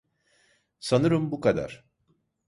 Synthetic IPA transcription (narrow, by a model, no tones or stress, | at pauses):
sanɯɾɯmbukad̪a̰ɾ̥